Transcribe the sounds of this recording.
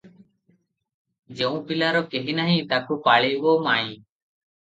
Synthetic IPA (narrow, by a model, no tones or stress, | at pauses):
d͡ʒeːũːpɪlaːɾoːkeːɦiːnaːɦĩːt̪aːkʰoːpaːɭeːʋoːmaːĩː